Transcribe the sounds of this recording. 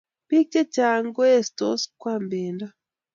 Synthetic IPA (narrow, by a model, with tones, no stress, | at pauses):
pi˦k̚t͡ʃe˦t͡ʃa˨ŋɡo˦e˦˨sto˦skwa˦˨mbeː˨nda˦